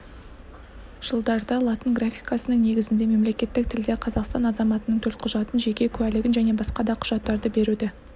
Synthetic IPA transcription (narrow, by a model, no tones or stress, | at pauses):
ʒ̥əlˠd̪ɑɾd̪ɑlˠɑt̪ənɡrafʲijkɑsənəŋne̞ɡʲɪzɪnd̪e̞me̞mle̞kʲe̞t̪ːɪk̚t̪ʰɪld̪e̞qʰɑzɑqst̪ɑnɑzɑmɑt̪ənəɴt̪ʰɵlt̪qʰʊʒɑt̪ənʒe̞kʲe̞kʲʰʉælɪɡʲɪnʒæne̞bɑsqɑd̪ɑqʰʊ̥ʒ̥ɑt̪ːɑɾd̪əbe̞ɾud̪ɪ